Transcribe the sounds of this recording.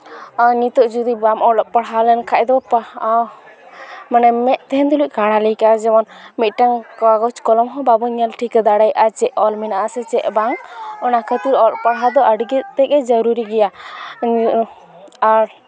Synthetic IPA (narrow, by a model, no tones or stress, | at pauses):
nit̪ɔʔd͡ʒud̪ibamʔɔlɔpaɽɦalɛnkʰaʔ̚d̪ɔp | manɛmɛʔt̪ɛɦɛnt̪uluc̚ˀkaɽalɛkad͡ʒɛmɔnmit̪̚ˀʈaŋkaɡɔt͡ʃkɔlɔmɦɔ̃babɔɲalʈʰikad̪aɽajʔat͡ʃɛʔɔlminaʔasɛt͡ʃɛʔbaŋɔnakʰət̪iɾɔlʔpaɽɦad̪ɔəɖɡit̪̚t̪ɛkɛd͡ʒəɾuɾiɡɛja | aɾ